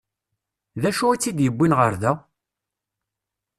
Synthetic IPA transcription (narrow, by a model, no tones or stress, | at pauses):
ðæʃuæt͡sːid̪jəbːinʁəɾðæ